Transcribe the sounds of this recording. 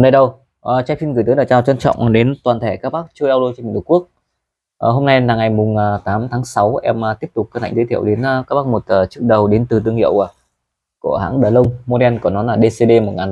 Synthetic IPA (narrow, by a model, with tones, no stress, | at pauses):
nə˧jɗə˨˩w | ʔə˨˩t͡ɕaː˧˥fi˧nɣɨ˨˩jt̪ːlaː˨˩t͡ɕaː˧˩t͡ɕɔ˧nt͡ɕɔ̰˧˨wŋ͡mɗe˨˦nt̪waː˨˩nt̪ʰe˧˩kaː˦˥k̚ɓaː˦˥k̚t͡ɕjɗa˧wlo˧t͡ɕɔ˧i˨˧˩ku˦˥ək̚ | ʔəː˨˩ɦo˧mna˧jlaː˨˩ŋa˨˩jmʊ˨˩ŋ͡mt̪aː˨˦mt̪ʰaː˨˦ŋsa˨˦wʔɛ̰˧m˨˩t̪i˦˥əp̚t̪ʊ˨˩k͡p̚kə˧na̰˧˨ŋ̟zə˧˦t̪ʰi˧ə˨wɗe˨˦n˩kaː˦˥k̚ɓaː˦˥k̚mo˨˩t̚əː˨˩t͡ɕɨ˦˥ək̚ɗə˨˩wɗe˨˦nt̪ɨ˨˩t̪ɨ˧əŋhḭ˧˨ə˨w | ku˧˩əɦa̰ː˧˥ŋɗəː˨˩lə˧wŋ͡mmo˧ɗɛ˧nknɔ˨˦laː˨˩ɗe˧se˧ɗe˧mo˨˩t̚ŋaː˨˩n